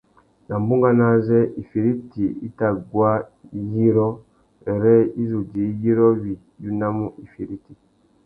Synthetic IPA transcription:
na˨m˨bu˦ŋ˦ɡa˦na˦zɛ˦i˨fi˨ɾi˦ti˨ḭ˦ta˨ɡwa˦ji˦ɾɔ˦ | ɛ˨ɾɛ˦i˦zu˨d͡ʒi˨˦ji˦ɾɔ˦wi˨ | ju˦na˦mu˦ʔi˨fi˨ɾi˦ti˨

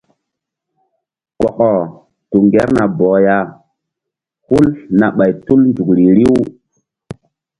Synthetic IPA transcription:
kɔ˨kɔ˨ | tu˨ŋɡe˦ɾna˨bɔː˨ja˦˨ | hu˦lna˨ɓa˨jtu˦lnd͡ʒu˨kɾi˨ɾi˦w

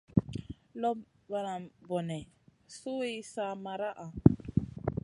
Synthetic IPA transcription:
lɔ˦ | ba˨ɾa˨bɔ˨nɛ˨su˦i˦sa˦ma˨ɾa˦ʔa˨

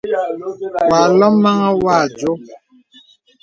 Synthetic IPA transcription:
wa˨lɔ˦mːa˦ŋa˦wa˦˨d͡ʒo˨˦

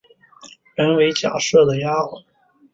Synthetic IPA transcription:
ɻə˧˥nwe˧˥ɪt͡ɕja̰˨˩ʂɤ˥˩d̪ə˩ja˥˨˩

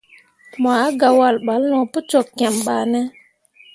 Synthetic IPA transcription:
ma˨a˦ɡa˨wa˨lɓa˨˦lnɔ˨pu˦t͡ʃɔ˨kːɛ˨mɓa˨nɛ˦

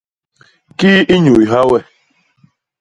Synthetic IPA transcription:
ki˦i˦ɲu˨i˨ɦa˦wɛ˦˨

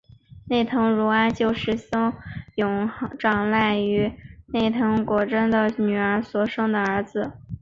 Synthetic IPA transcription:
ne˥˩ɪt̪ʰɤ˧˥ŋɻu˧˥a˥t͡ɕjo˥˧ʊʂɻ̩˥˩ɕʊ˥ŋjʊ˧˥ŋ˧˥ʈ͡ʂɑ˥˩ŋla˥˩ɪy˧˥ne˥˩ɪt̪ʰɤ˧˥ŋkwɔ˨˩ʈ͡ʂə˥nd̪ə˨ny˨˩ə˞˧˥swɔ˨˩ʂɤ˥ŋd̪ə˨ə˞˧˥d͡zɹ̩˧

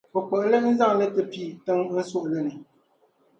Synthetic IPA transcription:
pɔ˨kɔ˨ʔlə˦n̩˦za˦˨ŋ˨lə˦tə˦piː˦˨tə˦ŋ˦n̩˦so˦ʔlɛ˦˨nɨ˨

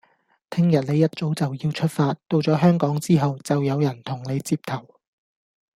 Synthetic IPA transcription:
t̪ʰɪ˥ŋjɐ˨˩t̚ne˨˧jɐ˥t̚t͡so˨˥wt͡sɐ˨wjiː˧wt͡ʃʰɵ˥t̚faː˧t̚t̪o˧wt͡sɔː˨˥ɦœː˥ŋkɔː˨˥ŋt͡siː˥ɦɐ˨wt͡sɐ˨wjɐ˨˧wjɐ˨˩nt̪ʰʊ˨˩ŋne˨˧jt͡siː˧p̚t̪ʰɐ˨˩w

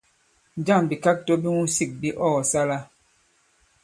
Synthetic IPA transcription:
n˦d͡ʒa˦˨ŋbi˨ka˦k̚to˦bi˦ŋu˦si˦˨k̚bi˦ʔɔ˦˨sa˦la˦

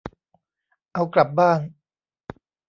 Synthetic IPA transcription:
ʔa˧wkla˨˩p̚baː˥˩ŋ

